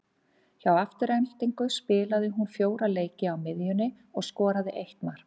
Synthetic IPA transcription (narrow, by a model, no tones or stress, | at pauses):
çawaft̪ʏɾɛnl̥t̪iŋkʏspɪːlaðɪɦunfjoːwɾaleːjcɪawmɪðjʏnːɪ | ɔɣskɔːɾaðɪʔejht̪maɾ̥